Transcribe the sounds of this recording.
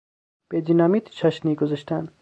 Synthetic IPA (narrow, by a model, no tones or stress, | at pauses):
b̥ed̪inɑːmiːt̪t͡ʃʰaʃniːɡozaʃt̪ʰæn